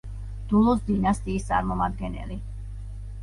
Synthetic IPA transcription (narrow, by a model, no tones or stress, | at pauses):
d̪̥ulˠɔsd̪inast̪ʼiːst̪sʼa̰ɾmɔmad̪ɡɛnɛ̰li